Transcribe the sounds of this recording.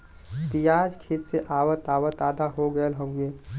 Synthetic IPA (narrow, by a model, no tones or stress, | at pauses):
t̪ijaːd͡ʒkʰit̪seʔaːwət̪aːwət̪aːd̪ʱaɦoɡəəlɦõɡeː